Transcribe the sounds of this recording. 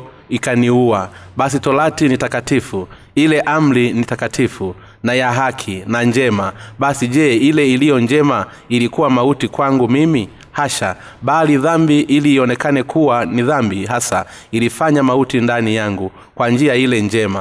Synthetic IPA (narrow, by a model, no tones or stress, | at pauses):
ikaniuaɓasitɔlatinitakatifu | ilɛʔam̩linitakatʰifu | najaɦakʰinaɲd͡ʒɛmaɓasiʄɛːilɛilijɔɲd͡ʒɛma | ilikuwamautikwaŋɡumimi | haʃa | ɓaliðambiʔiliːɔnɛkanɛkuwaniðambiɦasailifaɲamautindanijaŋɡu | kwand͡ʒiailɛɲd͡ʒɛma